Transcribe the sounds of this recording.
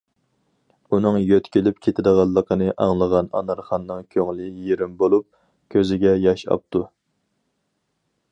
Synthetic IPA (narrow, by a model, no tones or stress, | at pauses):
unɨŋjøt̪kʲilɪp̚kʲʰet̪ʰɪd̪əʁɑlˠːəqʰənɨʔɑŋlˠəʁɑnɑ̰nɑɾχɑnːɨŋkʲʰøŋlɪjeɾɪmbolˠup̚ | kʲʰøzɪɡʲɛjɑʃɑ̰p̚t̪u